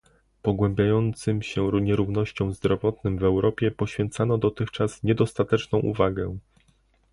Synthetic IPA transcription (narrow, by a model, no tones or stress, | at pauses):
pɔɡwɛ̃mbʲjajɔnt̪sɘmɕɛɲɛɾuvnɔɕt͡ɕɔ̃w̃zd̪ɾɔvɔt̪nɘmvɛwɾɔpʲjɛpɔɕfʲjɛnt̪sanɔd̪ɔt̪ɘxt͡ʂasɲɛd̪ɔst̪at̪ɛt͡ʂnɔ̃w̃ʔṵvaɡɛ